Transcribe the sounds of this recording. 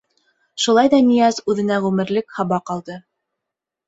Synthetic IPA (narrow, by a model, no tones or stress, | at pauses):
ʃulˠɑjðɑnijæzʉðɘ̆næʁʉmɘ̆ɾlɘkhɑβɑqɑlˠd̪ɤ